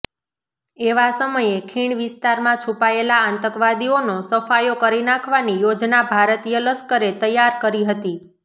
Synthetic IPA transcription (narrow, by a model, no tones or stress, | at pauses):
eʋasəməjekʰiɳʋɪst̪aɾmãt͡ʃʰupaelaant̪əkʋad̪ionosəfajokəɾinãkʰʋanijod͡ʒnabʱaɾət̪ijələskəɾet̪əjːaɾkəɾiɦət̪i